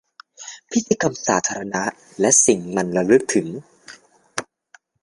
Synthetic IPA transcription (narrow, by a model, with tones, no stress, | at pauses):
pʰi˦˥t̪ːiː˧ka˧msaː˩˦t̪ʰaː˧ɾa˧na˦˥ʔ | lɛ˦˥ʔsi˨˩ŋma˧nɾa˧lɯ˦˥k̚t̪ʰɯ˩˦ŋ